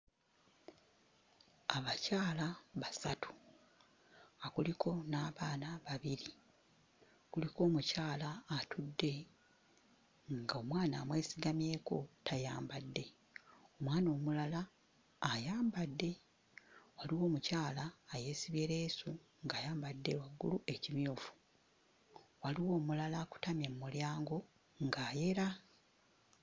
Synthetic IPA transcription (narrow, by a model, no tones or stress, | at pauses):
aβacaːlaβasatʰu̥ | akulikʰo̞naːβaːnaβaβiɾi | kuliko̞ːmucaːlaːtʰudːe̞ | ŋɡao̞mwaːna̰ːmwe̞ːsiɡamje̞ːko̞tʰajaːmbadːe̞ | o̞mwaːno̞ːmulalaː | jaːmbadːe̞ | waliwo̞ːmucaːlaːje̞siβje̞ɾe̞ːsu | ŋɡajaːmbadːe̞waɡːṵluʔe̞cimjuːfu̥ | waliwo̞ːmulalaku̥tamjemumuljaːŋɡo̞ | ŋɡaːje̞ɾa